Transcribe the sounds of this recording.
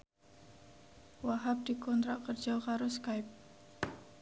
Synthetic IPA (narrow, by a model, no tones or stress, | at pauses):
waɦap̚dikɔnt̪ɾaʔkərd͡ʒawkaɾɔskajp̚